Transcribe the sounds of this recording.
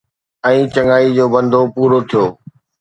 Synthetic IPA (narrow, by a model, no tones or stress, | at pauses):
ɛ̃ːt͡ɕɐŋaːid͡ʑoːbɐ̃nd̪ʱopuːɾot̪ʰijoː